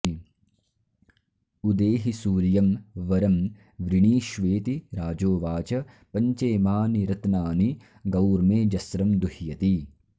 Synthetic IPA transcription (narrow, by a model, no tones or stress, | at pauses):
ud̪eːɦisuːɾjɐmʋɐɾɐm | ʋɾiɳiːʃʋeːt̪iɾaːd͡ʒoːʋaːt͡ʃɐ | pɐɲt͡ʃeːmaːniɾɐt̪naːni | ɡɐwɾmeːd͡ʒɐsɾɐmd̪uhjɐt̪i